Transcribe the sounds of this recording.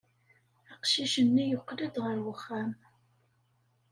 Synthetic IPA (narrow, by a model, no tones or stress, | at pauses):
aqʃiʃənːijʊqːələd̪ʁəɾwəχːam